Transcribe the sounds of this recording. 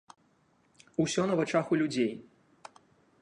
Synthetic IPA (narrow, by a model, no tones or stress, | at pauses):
usʲɔnɐvat͡ʂaxulʲud͡zʲej